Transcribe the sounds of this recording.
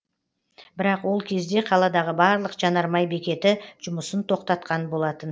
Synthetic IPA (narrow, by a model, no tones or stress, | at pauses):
bɪɾɑqwo̞lˠkʲʰe̞zd̪e̞qʰɑlˠɑd̪ɑʁəbɑɾlˠəqʒ̥ɑnɑɾmɑjbe̞kʲe̞t̪ɪʒ̥ʊməsənt̪ʰo̞qt̪ɑt̪̚qɑnbo̞lˠɑt̪ən